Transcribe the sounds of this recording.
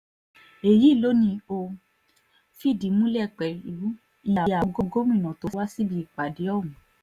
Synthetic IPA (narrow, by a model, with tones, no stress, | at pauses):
e˨ji˨˦˨lo˨˦nĩ˧o˧ | fi˦˨di˨˦mũ˦lɛ˦˨k͡pɛ˨lu˨˦ | ĩ˧a˨˧ja˨˦ɡo˦ɡo˦mĩ˦˨nã˨to˨˦wa˦si˦bi˧˨k͡pa˨de˨˦ɔ˦˨wũ˨